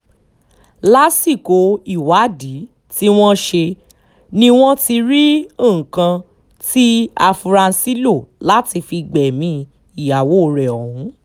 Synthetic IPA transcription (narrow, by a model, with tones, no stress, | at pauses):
la˦si˦˨ko˨˦i˦˨wa˨˦di˨˦ | ti˦w̃ɔ̃˦ʃe˧ | nĩ˧w̃ɔ̃˦ti˧ɾi˦õ˦˨kã˧ | ti˦a˧fu˧ɾa˧n̩˧si˦lo˦˨la˦ti˧fi˧ɡ͡bɛ˨mĩ˧ | i˨ja˨wo˦˨˧ɾɛ˨ɔ˨hɦũ˨˦